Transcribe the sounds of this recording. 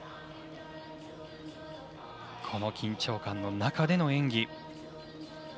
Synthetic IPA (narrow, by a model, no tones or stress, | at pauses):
kʰo̞no̞kʲĩɲt͡ɕo̞ːkãnːo̞nakad̪e̞no̞ẽ̞ŋɡʲi